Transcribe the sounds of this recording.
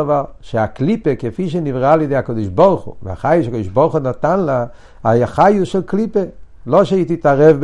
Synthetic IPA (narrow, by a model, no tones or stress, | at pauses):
vaʁʃeaklipekefiʃ̬enivʁalidehakod̪iʃboʁχṵv̰a̰χajuʃakodiʃboʁχunat̪anla | ajaχajuʃɛlklipe | loʃeit̪itaʁɛvb